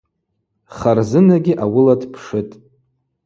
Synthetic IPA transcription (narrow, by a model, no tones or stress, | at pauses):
χarzɨnaɡʲiʔawʊladʰpʰʂɨtʼ